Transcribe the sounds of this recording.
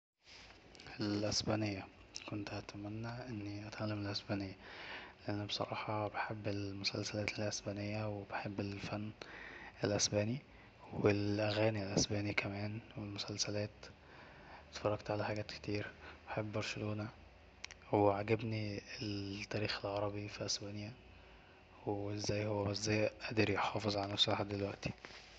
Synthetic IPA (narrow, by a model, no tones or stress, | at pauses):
elʔesbæːnejːæ | kont̪hæt̪mænːæʔenːiʔæt̪ʕalːæmelʔæsbæːnejːæleʔænːæbesˤɑ̰ɾˤʔɑ̰ːħɑbeħebːelmʊsæ̰lsælæːt̪elʔesbæːnejːæwebeħebːelfænːelʔæsbæːni | welʔæɣæːnilʔæsbæːnikʰæmæːnwelmosælsælæːt̪ | t̪fɑrˤːɑɡt̪ʕalæħaɡæːt̪ke̥t̪iːɾbeħebːbɑɾˤʃeloːnæ | weʕaɡæbniet̪ːæːɾiːxelʕɑɾˤɑbifiʔæsbæːnjæ | weezːæːjhowːæbæʔzːæjʔæd̪eɾjeħɑːfezˤʕalænæsɑħɑd̪elwæʔt̪i̥